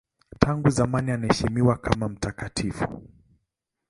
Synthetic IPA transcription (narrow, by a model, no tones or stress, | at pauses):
tʰaŋɡuzamanianahɛʃimiwakʰamam̩takatʰifu